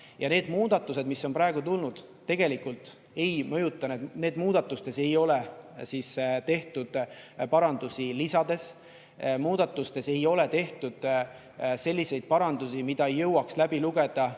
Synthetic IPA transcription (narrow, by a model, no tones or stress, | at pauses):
jɑne̞ːd̪̥muːd̪ɑt̪ːˑuse̞d̪̥misːo̞npɾɑeɡ̥ut̪ulnud̪̥t̪ːe̞ɡ̥e̞likˑult̪ | e̞jmɤ̞jut̪ːˑɑnet̪ne̞ːd̪muːd̪̥ɑt̪ːˑust̪e̞se̞jo̞le̞sist̪e̞ht̪ud̪̥pɑɾɑnd̪̥usilisɑd̪̥e̞s | muːd̪̥ɑt̪ːˑust̪e̞se̞jo̞le̞t̪e̞ht̪ud̪̥ | se̞lʲːise̞jd̪̥̚pɑɾɑnd̪̥usimid̪̥ɑejːɤwɑkslæbiluɡ̥e̞d̪̥ɑ